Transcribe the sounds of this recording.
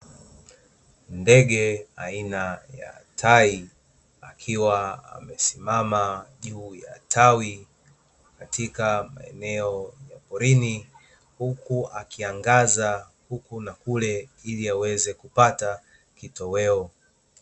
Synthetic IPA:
ndɛɠɛa̰inaja̰tʰai | akʰiwaa̰mɛsimamaʄuːja̰tʰawi | katʰikama̰ɛ̰nɛɔjapɔɾini | hukuʔakiaŋɡaza | hukunakulɛiliawɛzɛkupata | kitɔwɛɔ

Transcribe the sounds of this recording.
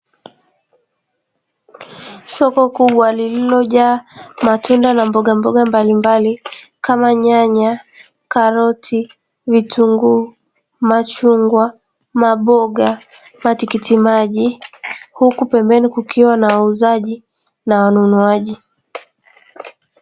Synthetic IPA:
sɔkɔkuɓwalililɔʄaːmatundanambɔɠambɔɠambalimbalikamaɲaɲa | kaɾɔtʰi | vituŋɡu | mat͡ʃuŋɡwa | maɓɔɠa | matikitimaʄihukupɛmbɛnikukʰiwanawauzaʄi | nawanunuaʄi

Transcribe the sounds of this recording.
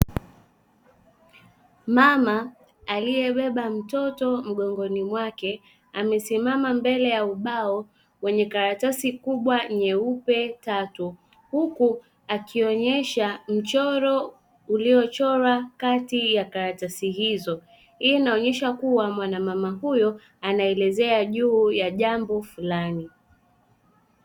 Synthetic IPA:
mamaː | lijɛɓɛɓam̩tɔtɔm̩ɠɔŋɡɔnimwakɛ | amɛsimamambɛlɛjauɓaɔ | wɛɲɛkaɾatasikuɓwaɲɛupɛtatu | huku | akiɔɲɛʃam̩t͡ʃɔɾɔ | uliɔt͡ʃɔɾakatijakaɾatasihizɔ | hiinaɔɲɛʃakuwamwanamamaɦujɔ | anaɛlɛzɛaʄuːjaʄambɔfulani

